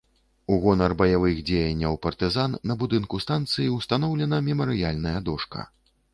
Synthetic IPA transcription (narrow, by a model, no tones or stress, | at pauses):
uɣɔnɐrbɐjavɨɣd͡zʲejɐnʲːɐwpɐrt̪ɨzanːɐbud̪ɨnkust̪ant̪sɨjiwst̪an̪ɔwlʲɛnɐmʲɛmɐɾɨjalʲnɐjɐd̪ɔʂkɐ̰